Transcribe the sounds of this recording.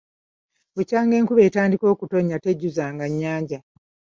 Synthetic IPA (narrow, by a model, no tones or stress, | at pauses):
βucaːŋɡe̞ːŋkuβe̞ːtaːndiko̞ːkuto̞ɲːate̞ɟːuzaːŋɡaɲːaːɲɟa